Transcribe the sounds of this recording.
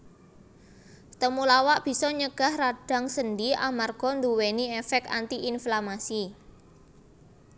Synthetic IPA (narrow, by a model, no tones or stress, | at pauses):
t̪əmulawaʔb̥i̤sɔɲəɡ̥a̤hraɖ̥a̤ŋsəndiamarɡ̥ɔ̤nd̪uweniefɛk̚t̪a̰nt̪iʔinflamasi